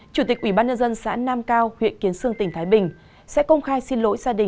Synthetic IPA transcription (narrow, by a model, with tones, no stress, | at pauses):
t͡ɕu˧˩t̪i˨˩k̚ʔwi˧˩ɓaː˧nɲə˧nzə˧nsa̰ː˧˥naː˧mkaː˧whwḭ˧˨ənki˨˦ənsɨ˧əŋt̪ï˩ŋ̟t̪ʰaː˨˦jɓï˨˩ŋ̟ | sɛ̰˧˥kə˧wŋ͡mxaː˧jsi˧nlo̰˧˦˥jzaː˧ɗï˨˩